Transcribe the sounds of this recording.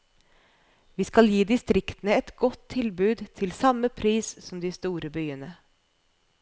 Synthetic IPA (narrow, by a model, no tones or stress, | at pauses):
ʋiːskɑljiːd̪ɪst̪ɾɪkt̪ənəɛt̪ɡɔt̪ʰːɪlbʉːd̪t̪ʰɪlsɑmːəpʰɾiːssɔmd̪ɪst̪uːɾəbyːənə